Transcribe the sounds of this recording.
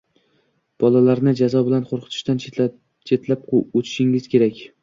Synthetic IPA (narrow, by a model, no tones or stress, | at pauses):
b̥ɒlalaɾnɪd͡ʒazɒbɪlanqʰoɾqʰɨ̥t̪ʰɪ̥ʃt̪an | t͡ʃʰe̞t̪lap̚ot͡ʃ̪ʰɪ̥ʃɪŋɪz̥kʲe̞ɾakʲ